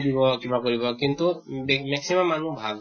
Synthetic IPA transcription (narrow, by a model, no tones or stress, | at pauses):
dibɔkibakoɹibɔkintubmɛksimamːanubʱab